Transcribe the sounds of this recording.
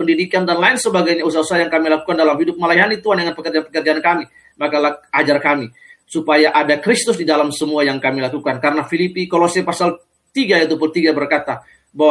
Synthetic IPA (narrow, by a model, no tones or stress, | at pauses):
pəndidikandanlaɪnsəbaɡajɲausaɦausaɦajaŋkamilakukandalamhidʊp̚malajɦanit̪uandəŋanpəkərd͡ʒanpəkərd͡ʒaankami | makalaad͡ʒarkami | supajaʔadakɾist̪ʊsdidalamsəmuajaŋkamilakukankaɾənafilipikolosepasal | t̪iɡajɛt̪̬upult̪iɡabərkat̪a | baw